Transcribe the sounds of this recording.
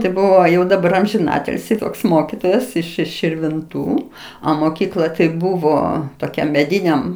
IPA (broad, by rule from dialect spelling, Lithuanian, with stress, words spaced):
tɐɪ ˈbʊʋoː ˈjɛʊ dɐˈbɐr ɐmʲʒʲɪˈnɑːtʲɪlʲsʲiː ˈtoːks ˈmoːkʲɪtoːjɛs ɪʃ ɪʃ ʃʲɪrʲʋʲɪnˈtuː ɐ moːˈkʲiːklˠɐ tɐɪ ˈbʊʋoː toːˈkʲɛm mʲɛˈdʲiːnʲɛm